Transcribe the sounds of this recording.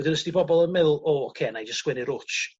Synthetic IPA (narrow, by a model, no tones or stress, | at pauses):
dɪnəsdibɔbɔlˠənmɪlˠoːɔkʰeːnajd͡ʒəskwɪnɪɾʊt͡ʃ